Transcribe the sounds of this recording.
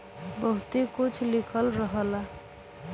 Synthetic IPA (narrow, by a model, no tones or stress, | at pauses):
bəɦut̪ekut͡ʃʰlikʰəlɾəɦəla